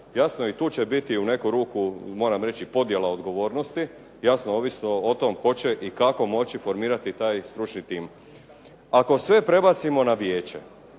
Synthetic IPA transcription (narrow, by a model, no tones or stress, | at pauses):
jasnoit̪uːt͡ɕe̞bit̪iune̞kuɾuːkumo̞ːɾamɾe̞t͡ɕipo̞d̪je̞lˠao̞d̪ɡo̞ʋo̞ːɾno̞st̪i | jasnooːʋisnoot̪o̞mko̞t͡ɕe̞ʔikako̞mo̞t͡ɕifo̞ɾmiːɾat̪it̪aːjst̪ɾut͡ʃnit̪iːm | ako̞sʋe̞pɾe̞bat̪simo̞naʋje̞ːt͡ɕe̞̰